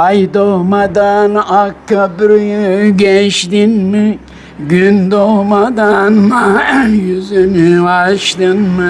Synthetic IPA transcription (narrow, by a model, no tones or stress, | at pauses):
jd̪ohmad̪anakːabɾjɟɛʃt̪inmɪ | ɟynd̪oɦmad̪anajyzynyaʃt̪ɯnmɯ